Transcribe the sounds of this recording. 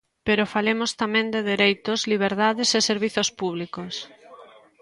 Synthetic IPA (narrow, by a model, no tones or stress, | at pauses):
peɾofalemost̪amɛ̃nd̪eðeɾejt̪ozliβ̞eɾðaðeseseɾβiθospuβlikos